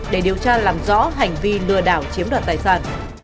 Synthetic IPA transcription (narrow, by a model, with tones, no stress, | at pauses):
ɗe˧˩ɗi˨˩əwt͡ɕaː˧laː˨˧˩mzɔ̰˧˥ɦa˨˩jŋ̟vi˧lɨ˧əɗaː˧˩wt͡ɕi˨˦əmɗwaː˨nt̪aː˨˩jsaː˧˩n